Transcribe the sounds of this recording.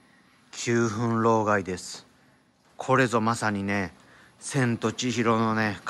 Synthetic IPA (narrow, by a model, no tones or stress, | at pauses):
kʲʰɨːɦɯ̃nɾo̞ːɡaid̪e̞sɨ̥ | kʰo̞ɾe̞zo̞masaɲ̟ine̞ | sẽ̞nt̪o̞t͡ɕiçiɾo̞none̞k